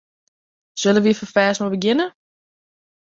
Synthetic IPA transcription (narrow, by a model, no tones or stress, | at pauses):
søləʋifəfɛːsmobəɡɪnə